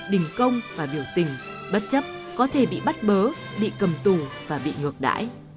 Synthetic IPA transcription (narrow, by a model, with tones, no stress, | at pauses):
ɗï˨˩ŋ̟kə˧wŋ͡mvaː˨˩ɓi˧˩əwt̪ï˨˩ŋ̟ | ɓə˦˥t̚t͡ɕə˦˥p̚kɔ˨˦t̪ʰe˧˩ɓḭ˧˨ɓa˦˥t̚ɓəː˨˦ | ɓḭ˧˨kə˨˩mt̪u˨˩vaː˨˩ɓḭ˧˨ŋɨ˨˩ək̚ɗa̰ː˧˥j